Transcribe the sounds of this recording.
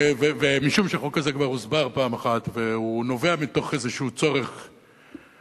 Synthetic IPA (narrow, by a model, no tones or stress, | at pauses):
vevemiʃumʃeχokazekvaʁuzbaʁpaːmaχat̪veuno̞ve̞amit̪o̞χezeʃuut͡so̞ʁeχ